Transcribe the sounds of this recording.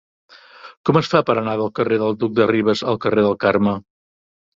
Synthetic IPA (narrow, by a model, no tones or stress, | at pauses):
kɔməsfapəɾənaðəlˠkəreðəlˠd̪uk̚d̪əriβ̞əzəlˠkəreðəlˠkarmə